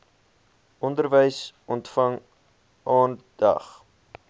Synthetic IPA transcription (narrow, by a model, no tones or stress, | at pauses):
ʔɔndərvəjsʔɔntfɐŋ | ʔɑːnd̥ɐ̰χ